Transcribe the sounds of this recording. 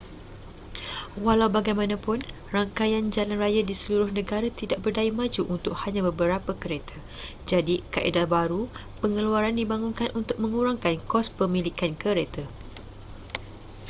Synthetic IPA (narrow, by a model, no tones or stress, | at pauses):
walawbaɡajmãnãpʊn | raŋkajand͡ʒalanrajadisəluɾʊhnə̃ɡaɾat̪idaʔ̚bərdaimãd͡ʒuʔunt̪ʊk̚haɲãbəbəɾapakəɾet̪ʰa | d͡ʒadikaʔḛdabaɾu | pəŋəluaɾandibaŋunkanʔunt̪ʊk̚mə̃ŋuɾaŋkankɔspəmĩlikankəɾet̪a